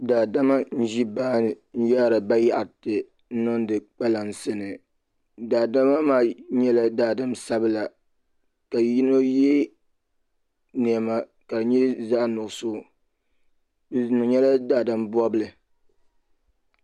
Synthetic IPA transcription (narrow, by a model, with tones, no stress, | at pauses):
daː˨da˦ma˦n̩˦ʒi˦baː˦n˨ | n̩˦ja˦˨ɾa˨ba˦ja˨ʔa˨tɨ˨ | n̩˦nɔ˦n˦dɨ˨k͡pa˦la˨n̩˨sɨ˦nɨ˨ | daː˨da˦ma˦maː˦ɲɛ˦la˦daː˨dɨ˦msa˦bɨ˦la˨ | ka˨ji˦no˦jɛ˦ | ni˨a˨ma˦ | ka˨dɨ˨ɲɛ˦za˦ʔnʊ˨ɡsʊ˦˨ | bɨ˦znʊ˨ɲɛ˦la˦daː˨da˦mbɔ˦bɨ˦lɨ˨